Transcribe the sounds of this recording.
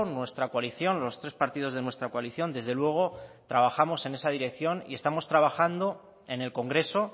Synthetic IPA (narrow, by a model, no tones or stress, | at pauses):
nwe̞st̪ɾakwaliθjo̞nlo̞st̪ɾe̞spaɾt̪ið̞o̞zð̞e̞nwe̞st̪ɾakwaliθjo̞nd̪e̞zðe̞lwe̞ɣ̞o̞t̪ɾaβ̞axamo̞se̞ne̞sað̞iɾe̞kθjo̞nḭe̞st̪amo̞st̪ɾaβ̞axand̪o̞ | ene̞lko̞ŋɡɾe̞so̞